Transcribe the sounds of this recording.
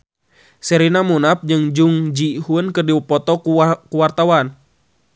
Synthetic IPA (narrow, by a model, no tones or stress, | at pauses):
sɛɾinamunap̚d͡ʒɨŋd͡ʒuŋd͡ʒihuənkɨrdiwupɔt̪ɔukuwart̪awan